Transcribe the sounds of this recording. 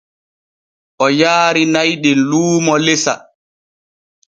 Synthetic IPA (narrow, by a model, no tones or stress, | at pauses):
ʔɔjaːɾinajɗɛnluːmɔlesa̰